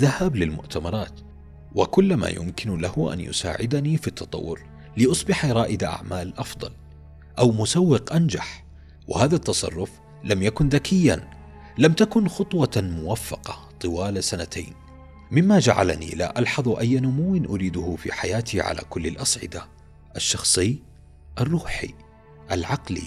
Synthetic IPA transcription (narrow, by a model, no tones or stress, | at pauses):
ðahablɪlmʊ̰ʔt̪amɑɾˤɑːt̪ | wɪkʊlːma̰ːjʊ̰mkɪnlahʊʔa̰njʊ̰sa̰ːʕɪd̪anifit̪ːɑt̪ˤɑ̰wːʊɾ | lɪʔʊsˤbɪħɾˤɑːʔɪd̪aʔa̰ʕmaːlʔɑfd̪ˤɑ̰l | ʔawmʊsawːɪqʔand͡ʒaħ | wɪ̰haːðat̪ːɑsˤɑ̰rˤːʊf | lamjakʊnðakɪjːan | lamt̪akʊnxʊt̪ˤwɑmʊwafːɑqɑt̪ˤɨwaːlsanat̪ʰa̰jn | mɪmːad͡ʒa̰ʕa̰la̰nḭla̰ːʔalħɑðˤʔajːanʊmuwːɪnʔʊɾiːd̪ʊhʊfḭːħajaːt̪iʕa̰la̰ːkʊlːɪlʔɑsˤʕɪ̰d̪a | ʔaʃːɑxsˤɨː | ʔɑrˤːuːħḭ | ʔalʕɑqlḭ